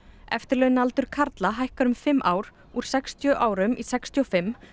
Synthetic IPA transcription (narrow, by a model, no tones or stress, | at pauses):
ɛ̰ft̪ɪɾlœːjnalt̪ʏɾ̥kʰaɾt̪laɦajhkaɾʏmfɪmːʔaːwɾ̥ | uɾ̥sɛkst̪ʰjœʔaːwɾʏmisɛkst̪ʰjɔfɪmː